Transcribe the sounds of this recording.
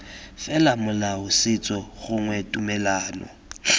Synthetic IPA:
fɛlamʊlaʊsɪt͡sʼɔɣʊŋwɛtʼumɛlaːnɔ̰

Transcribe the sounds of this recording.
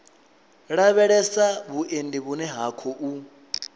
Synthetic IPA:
ɺaβɛɺɛsaβuʔendiβunɛɦakʰɔʔu

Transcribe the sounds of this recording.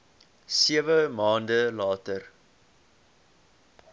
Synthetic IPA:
siəvəmɑːndəlɑːtər

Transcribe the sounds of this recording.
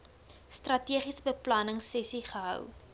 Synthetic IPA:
strɐtiəχisəbəplɐnəŋsɛsiχəɦœ̰w

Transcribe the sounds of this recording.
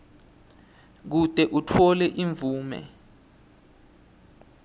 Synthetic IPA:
k̬ud̥ʱɛʔutʰɔlɛʔiɱvuːmɛ̰

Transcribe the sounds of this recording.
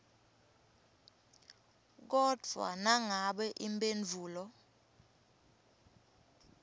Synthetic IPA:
k̬ɔd̥ʱwa̰naŋaɓɛʔimbend͡ɮʱuːlɔ

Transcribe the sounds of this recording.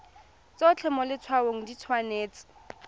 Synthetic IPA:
t͡soʊt͡ɬʰɛmɔlɪt͡sʰwaoŋ̩dit͡sʰwaneːt͡sɪ̥

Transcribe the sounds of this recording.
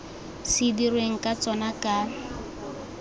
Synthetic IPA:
sɪdirweŋ̩kʼat͡sʼɔnakʼa

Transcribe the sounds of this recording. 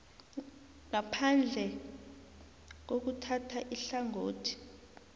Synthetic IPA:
ŋapʰand͡ɮʱɛ | k̬ok̬utʰatʰaʔiɬaŋoːtʰi̥

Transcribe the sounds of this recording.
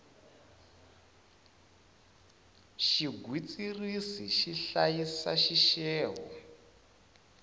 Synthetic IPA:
ʃiɡʱwit͡sirisiʃiɬajisa̰ʃiʃɛːɦɔ̰

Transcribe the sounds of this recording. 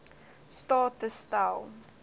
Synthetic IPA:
stɑːtəstalˠ

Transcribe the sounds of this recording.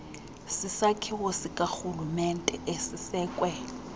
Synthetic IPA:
sɪsakʰɪwosɪkʼak͡xulumɛn̩tʼɛʔesɪsɛːkʼwɛ

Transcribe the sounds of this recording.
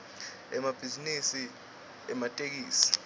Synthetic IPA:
ɛmab̥ʱizinisi | ɛmatʼek̬iːsi̥

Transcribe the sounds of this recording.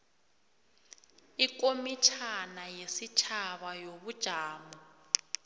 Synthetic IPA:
ik̬ʼomit͡ʃʰanajesit͡ʃʰaβajoβud̥ʒ̥ʱaːmɔ

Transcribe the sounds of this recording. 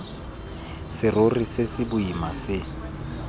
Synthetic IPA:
sɪrorisɪsɪbʊimasɪ

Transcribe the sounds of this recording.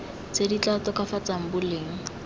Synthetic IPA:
t͡sedit͡ɬatɔkafat͡saŋ̩bʊleŋ̩

